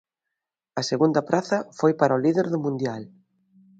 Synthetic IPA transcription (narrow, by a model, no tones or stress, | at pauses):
ɐseɣund̪ɐpɾaθɐfojpaɾɔliðeɾðʊmũnd̪jal